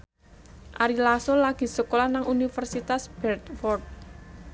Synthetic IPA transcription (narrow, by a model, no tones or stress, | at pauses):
ʔaɾilasolaɡ̥i̤səkolanaŋunifərsit̪asb̥ɛrt̪fɔrd̪̚